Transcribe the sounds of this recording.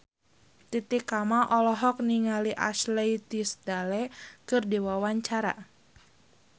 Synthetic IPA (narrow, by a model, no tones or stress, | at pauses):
t̪it̪ikamaʔɔlɔɦɔk̚niŋaliʔa̰slejt̪isd̪̥alɛkɨrdiwawaɲt͡ʃaɾa̰